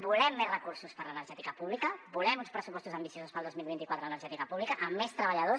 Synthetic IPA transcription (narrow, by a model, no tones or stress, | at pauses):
bulɛmːerrəkuɾsuspəɾlənəɾʒɛt̪ikəpuβlikəbulɛmunspɾəsupɔst̪uzəmbisiosuspəlˠdozmilˠβint̪ikwat̪ɾələnəɾʒɛt̪ikəpuβlikəʔəmːest̪ɾəβəʎəðo